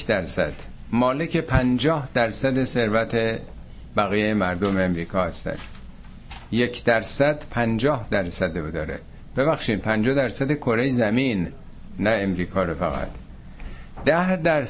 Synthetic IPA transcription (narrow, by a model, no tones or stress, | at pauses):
d̪æɾsæd̪̥ | mɒːlecʰe̞pʰænd͡ʒɒːhd̪æɾsæd̪ese̞ɾvæt̪ʰe̞ | bæɣijejemæɾd̪omeːmɾiːkʰɒːhæst̪æ̰n | je̞cʰd̪æɾsæd̪pʰænd͡ʒɒːhd̪æɾsæd̪eod̪ɒːɾḛ | b̥e̞βæxʃiːd̪̚pʰænd͡ʒɒːd̪æɾsæd̪ekʰo̞ɾejzæmiːnː | æe̞mɾiːkʰɒːɾofæ̰ɣæ̰t̪ʰ | d̪̥æhd̪æɾ